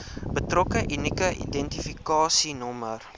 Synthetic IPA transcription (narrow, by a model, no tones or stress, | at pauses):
bətrɔkəʔinikəʔḭdɛntifikɑːsinɔmər